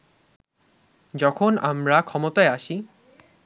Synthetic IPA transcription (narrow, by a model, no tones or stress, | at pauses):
d͡ʑɔkʰonamɾakʰɔmot̪aeaʃi